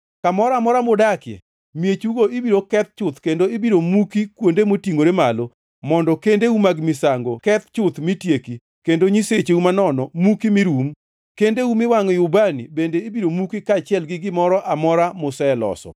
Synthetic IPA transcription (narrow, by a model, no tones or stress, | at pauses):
kamɔɾamɔɾamodakjɛ̰ | mjet͡ʃuɡoibiɾokɛt̪̚t͡ʃʊt̪kendoibiɾomukikwondemotiŋoɾemalo | mɔndɔkendeumaɡmɪsaŋɡokɛt̪t͡ʃʊt̪mɪtjeki | kendoɲiset͡ʃeumanɔnɔmukimɪɾum | kendeumɪwaŋɔjʊbanḭbendeibiɾomukikat͡ʃɪɛlɡɪɡɪmɔɾɔʔamɔɾamʊsɛlɔ̰sɔ̰